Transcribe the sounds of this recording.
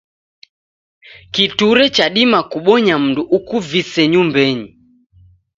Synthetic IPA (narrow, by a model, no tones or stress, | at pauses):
kituɾɛt͡ʃaɗimakuɓɔɲam̩nduʔukuvisɛɲumbɛɲi